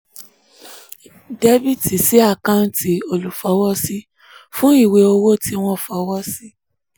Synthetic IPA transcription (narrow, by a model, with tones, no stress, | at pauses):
de˦bi˦ti˨si˨˦a˦˨kã˦˨n̩˨˦ti˨o˨lu˨fɔ˨˦wɔ˦si˦ | fũ˦i˦˨we˧o˧wo˦ti˦w̃ɔ̃˦˨fɔ˨˦wɔ˦si˦